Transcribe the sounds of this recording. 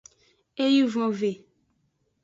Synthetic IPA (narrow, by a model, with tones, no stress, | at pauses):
e˦ji˦vɔ̃˨ve˨